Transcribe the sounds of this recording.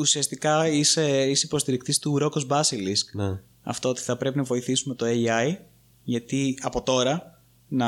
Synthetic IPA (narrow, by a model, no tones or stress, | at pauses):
usiɐst̪ikɐiseiseipo̞st̪iɾikt̪ist̪uɾo̞kozbɐsiliskn | ɐ̰ft̪oot̪i̥θɐpɾe̞pinɐvo̞iθisume̞t̪o̞eiɐj | ʝɐt̪iɐpo̞t̪o̞ɾɐ | nɐ